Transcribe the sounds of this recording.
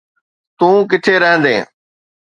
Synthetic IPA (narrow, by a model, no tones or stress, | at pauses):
t̪ũːkɪʈ̪ʰeːɾəɦə̃nd̪ḛ̃ː